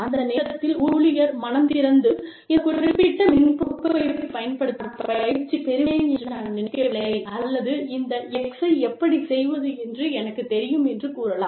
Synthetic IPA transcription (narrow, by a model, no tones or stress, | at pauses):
ɐnd̪ɐneːɾɐt̪ːɪluːɭɪjɐɾmɐnɐmt̪ɪɾɐnd̪ɯ | ɛkːʊɾɾɪpːɪʈːɐmɪnpupːɐɐpɐjɐnpɐɽɯt̪ːɐpɐt͡ʃːipɛɾɯeɛndrɯnaːnɐnɪnɪkːɐɭɐɐɪɐlːɐðɯɪnd̪ɐɛksɐɪɛpːɐɽisɛjʋɐðɯɛndrɯɛnɐkːɯt̪ɛɾɪjɯmɛndrɯkuːɾɐlã̰ː